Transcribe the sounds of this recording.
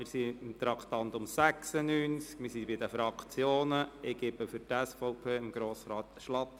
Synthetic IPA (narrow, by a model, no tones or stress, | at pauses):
mɪɾsiɪmt̪ɾɑkʰt̪ɑnt̪ʊmsæksənyːnskmɪsibɪd̪əfɾɑkt͡sjoːnəɪɡ̥ɪbəfʏɾtɛsfɔʊpʰeːɪmɡ̥ɾoːsɾɑːt̪ʃlɑt̪